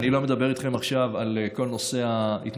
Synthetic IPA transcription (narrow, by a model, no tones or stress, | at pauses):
nilo̞me̞d̪abe̞ʁ̞it̪χe̞maχʃavaleko̞lno̞se̞ait̪